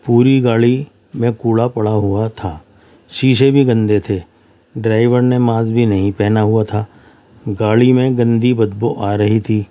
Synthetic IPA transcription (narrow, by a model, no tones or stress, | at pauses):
puːɾiɡaːɭi | mẽkuːɭapɐɽaɦuat̪ʰaː | ʃiːʃ̬ebʱiɡɐ̃nd̪et̪ʰeː | ɖɾaːɪʋəɾnemãːzbʱinɐɦĩpɛɦnaɦʊat̪ʰaː | ɡaːɭimẽɡɐ̃nd̪ibɐd̪boʔaːɾɐɦit̪ʰiː